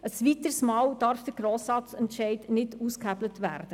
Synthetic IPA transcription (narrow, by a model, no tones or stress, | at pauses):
əsʋit̪əɾsmɑːwd̥ɑːɾfd̥əɡ̥ɾɔːsɑt͡sɛntʃɛɪdnɪduːskhæblətʋæ̰ːrd̥ə